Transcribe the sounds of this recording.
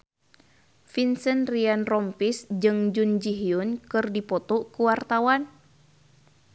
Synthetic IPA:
finsənrianrɔmpisd͡ʒɨŋd͡ʒund͡ʒiɦiunkɨrdipɔt̪ɔkuwart̪awan

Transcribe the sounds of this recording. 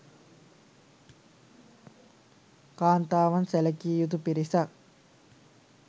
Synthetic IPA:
kaːnt̪aːʋɐnsɛlɐkiːjut̪upiɾisak̚

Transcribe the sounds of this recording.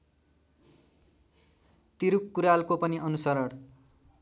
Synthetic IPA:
t̪iɾukːuɾalkopʌniʌnusʌɾʌɽ

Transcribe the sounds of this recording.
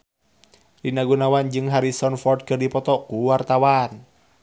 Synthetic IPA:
dinaɡunawand͡ʒɨŋɦaɾisɔnfɔrd̚kɨrdipɔt̪ɔkuwart̪awan

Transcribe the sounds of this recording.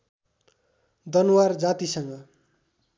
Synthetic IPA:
d̪ʌnuward͡zat̪isʌŋɡʌ

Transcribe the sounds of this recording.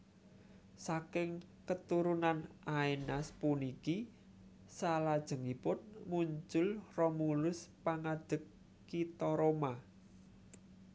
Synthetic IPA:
sakɪŋkət̪uɾunanʔainaspuniki | salad̥ʒ̥ə̤ŋipʊnmuɲt͡ʃʊlrɔmulʊspaŋad̪̥ə̤kː | it̪ɔɾoma

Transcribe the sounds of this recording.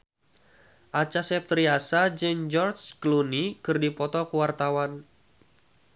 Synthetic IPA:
ʔat͡ʃasɛp̚t̪ɾiasad͡ʒɨŋd͡ʒɔrt͡ʃklunikɨrdipɔt̪ɔkuwart̪awan

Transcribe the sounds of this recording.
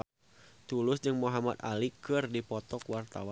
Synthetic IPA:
t̪ulʊsd͡ʒɨŋmoɦamat̪a̰likɨrdipɔt̪ɔkwart̪a̰wa

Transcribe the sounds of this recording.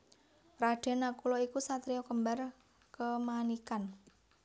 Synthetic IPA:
raɖ̥e̤nakulɔikusat̪ɾiɔkəmbar | kəmanikan

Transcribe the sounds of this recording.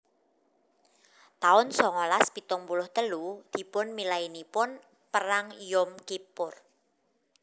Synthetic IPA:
t̪aʊnsɔŋɔlaspit̪ɔŋpulʊht̪əlud̪̥i̤pʊnmilainipʊn | pəɾaŋjʊmkipʊr

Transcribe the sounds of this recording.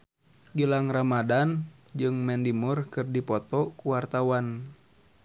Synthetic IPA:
ɡəlaŋramadan | d͡ʒɨŋmɛndimurkɨrdipɔt̪ɔkuwart̪awan

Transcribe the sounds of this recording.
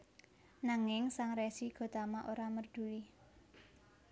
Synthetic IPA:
naŋɪŋsaŋɾɛsiɡ̥ɔ̤t̪amaʔoɾamərd̪̥ṳli

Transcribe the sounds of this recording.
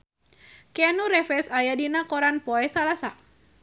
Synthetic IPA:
kanuɾɛfɛsajadinakɔɾanpɔɛsalasa

